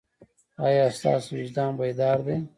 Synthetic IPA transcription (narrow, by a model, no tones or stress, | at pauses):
ɑjɑːst̪ɑ̰ːswɪd͡ʒd̪ɑːmbajd̪ɑːɾd̪e